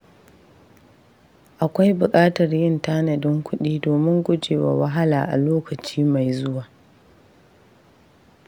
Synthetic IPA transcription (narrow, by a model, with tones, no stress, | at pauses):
ʔa˨kʷa˦jbʊ˨kʼaː˦tɐ˨rjɪ˦ntaː˦nɐ˨dɪ˦ŋkʷʰʊ˦ɗiː˦doː˨mɪ˦ŋɡʷʊ˦d͡ʒeː˨wa̰˨wɐ˦ɦa˦laː˨ʔa̰˨loː˦kɐ˨t͡ʃiː˦ma˨jzʊ˦waː˨